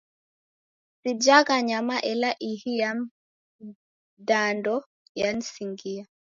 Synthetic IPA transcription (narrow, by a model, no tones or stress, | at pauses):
sid͡ʒakaɲamaʔɛlaʔihijam | dandɔ | jansiŋɡija